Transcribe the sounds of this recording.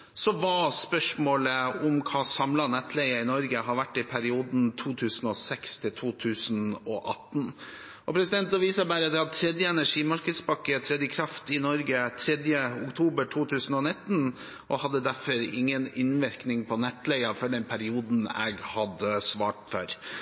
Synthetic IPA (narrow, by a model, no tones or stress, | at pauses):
sɔʋɑspœʂmoːləʊmkʰɑːsɑmlɑnɛt̪ːlæɪəɪnɔɾɡəɦɑʋæʈːɪpʰæɾɪuːd̪nt̪ʰuːt̪ʰʉːsən̩ɔsɛkst̪ʰɪlt̪ʰuːt̪ʰʉːsnɔʔɑt̪n | ʔɔpʰɾɛsɪd̪ɛnt̪ɔʋiːsɑbæːɾəd̪ɛhɑt̪ʰɾɛd̪jəɛnæʂiːmɑɾkəd̪spɑkːət̪ʰɾɛd̪jəkʰɾɑft̪ɪnɔɾɡət̪ʰɾɛd̪jəʊkt̪ʰuːbəʈʰuːt̪ʰʉːsən̩ɔnɪt̪ːn | ʔɔhɑd̪ːəd̪æɾfɔɾɪ̰ŋːənɪnʋɪɾknɪŋpʰɔnɛt̪ːlæɪɑfɔɖɛnpʰæɾɪuːd̪n̩ɛ̰ɡhɑd̪əsʋɑːʈfœɾ